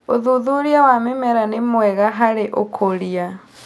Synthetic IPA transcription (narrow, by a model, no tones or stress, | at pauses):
oðuðuɾiawamemɛɾanemwɛɣaɦaɾeʔokʰoɾia